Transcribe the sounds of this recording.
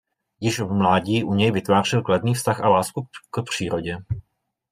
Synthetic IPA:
jɪʃvmlaːɟiːʔuɲɛjvɪt̪vaːrɪlkladniːfst̪axʔalaːskukpr̝̥iːɾoɟɛ

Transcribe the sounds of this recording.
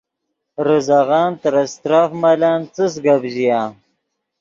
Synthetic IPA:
ɾəzaɣɑːnt̪əɾast̪ɾaːfmalaːnt͡sɨs̬ɡabʑijaː

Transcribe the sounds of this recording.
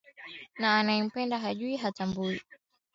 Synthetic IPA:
naːnaɛm̩pɛndaɦaʄuiɦatambui

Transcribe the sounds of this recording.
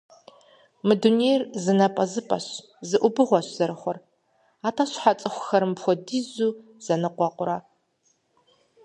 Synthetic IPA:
mɨdunejrzɨnɐpʼɐzɨpʼɐɕ | zɨʔʷʊbɨʁʷɔɕz̥ɐɾɨxʷɔr | aːtʰaɕħat͡sʼɨxʷʊxɐɾɨmpxʷɔdiːzuː | z̥ɐnɨqʷɔqʷʼʊɾɐ

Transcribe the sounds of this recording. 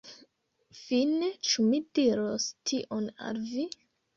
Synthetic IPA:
finet͡ʃumidiɾostʰiʔona̰lvi

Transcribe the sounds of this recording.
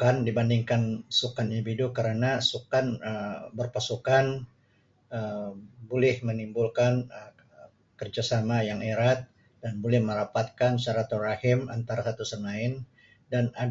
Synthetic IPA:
kandibandiŋkansukanindividukəɾənasukanəbərpasukan | əbolɛhmənimbulkanə | kərd͡ʒasamajaŋeɾat̪̚ | danbolɛhməɾapat̪̚kansaɾat̪urahɪma̰nt̪aɾasat̪usəŋaɪn | dana

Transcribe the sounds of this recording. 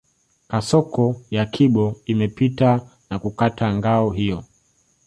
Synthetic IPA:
kasɔkɔjakʰiɓɔimɛpita | nakukatʰaŋɡaɔɦijɔ

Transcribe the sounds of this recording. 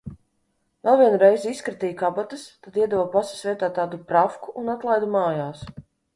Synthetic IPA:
vɛlˠviɛnuɾɛjziskɾat̪ʲijkabat̪ɨst̪ad̪iɛd̪vopasḁsvʲiɛt̪aːt̪ːaːd̪upɾafkuʔːnat̪lˠajd̪umaːjaːs

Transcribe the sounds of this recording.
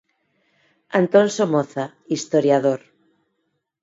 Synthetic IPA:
ant̪onsomoθa | ist̪oɾjaðoɾ

